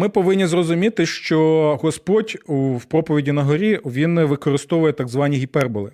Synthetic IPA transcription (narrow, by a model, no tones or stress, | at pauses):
mɪpɔʋɪnʲːizrɔzʊmʲit̪ɪʃt͡ʃɔɦɔspɔdʲuwpɾɔpɔʋʲidʲinɐɦɔɾʲiʋʲinʋɪkɔɾɪst̪ɔʋʊjɛt̪ɑɡzʋɑnʲiɦʲipɛrbɔlˠɪ